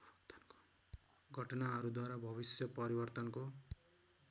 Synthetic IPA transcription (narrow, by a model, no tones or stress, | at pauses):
t̪nko̥ | ɡʱʌʈʌnaɦʌɾud̪waɾabʱʌβisjʌpʌɾibʌrt̪ʌnko